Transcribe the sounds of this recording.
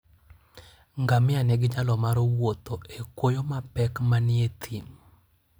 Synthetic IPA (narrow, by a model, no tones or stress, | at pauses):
ŋɡamɪanɛɡɪd͡ʒalɔmaɾowot̪oʔekwojomapɛkmanɪet̪ʰim